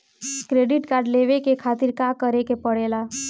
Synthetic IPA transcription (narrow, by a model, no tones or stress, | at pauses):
kɾeɖɪʈkaːɾɖleʋekekʰat̪iɾkakəɾekepəɽela